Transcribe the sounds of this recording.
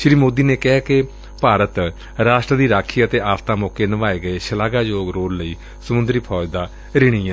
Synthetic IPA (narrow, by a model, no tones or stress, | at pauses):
ʃɾiːmoːd̪iːneːkɛɦaːkɪ | paːɾət̪ | ɾaːʃʈɾəd̪iːɾaːkʰiːət̪eːaːft̪ãːmɔːkeːnəʋaːeːɡəeːʃəlaːɡaːd͡ʒoːɡɾoːɾləiː | səmʊnd̪ɾiːpʰɔːd͡ʒd̪aː | ɾɪɽ̃iː